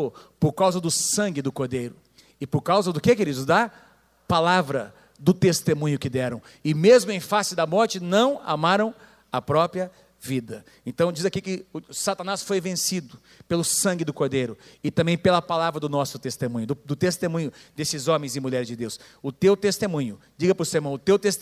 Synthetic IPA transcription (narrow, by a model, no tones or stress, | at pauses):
opoɾkawzɐd̪ʊsɐ̃ŋɡɪd̪ʊkoɾd̪ejɾʊ | ɪpoɾkawzɐd̪ʊkekeɾid̪ʊzd̪ɐ | palavɾɐ | d̪ʊt̪est̪emũɲʊkɪd̪ɛɾɐ̃w̃ | ɪmezmʊẽj̃fasɪd̪ɐmɔɾt͡ʃɪnɐ̃w̃a̰maɾɐ̃w̃ | ɐpɾɔpɾiɐ | vid̪ɐ | ẽnt̪ɐ̃w̃d͡ʒizakikɪsat̪ɐnasfojvẽsid̪ʊ | pelʊsɐ̃ŋɡɪd̪ʊkoɾd̪ejɾʊɪt̪ɐ̃bẽj̃pelɐpalavɾɐd̪ʊnɔsʊ̥t̪est̪emũɲʊd̪ʊd̪ʊt̪est̪emũɲʊd̪esɪzõmẽj̃zɪ̃muʎɛɾɪzd͡ʒɪd̪ews | ʊt̪ewt̪est̪emũɲʊd͡ʒiɡɐpɾʊseɾmɐ̃w̃ʊt̪ewt̪est̪